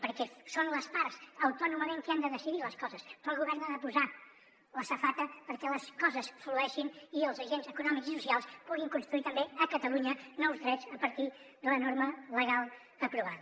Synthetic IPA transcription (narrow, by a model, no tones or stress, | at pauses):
pəɾkɛsonləspaɾzəwt̪ɔnuməmẽŋkand̪əðəsiðiləskɔzəspɾɔlˠɣuβɛɾnaðəpuza | ləsəfat̪əpəɾkɛləskɔzəsfluɛʃiniəlˠzəʒenzəkunɔmikzisusialˠspuɣiŋkunst̪ɾuit̪əmbeəkət̪əluɲənɔwzðɾɛzəpəɾt̪i | ðulənɔɾmələɣalˠ | əpɾuβaðə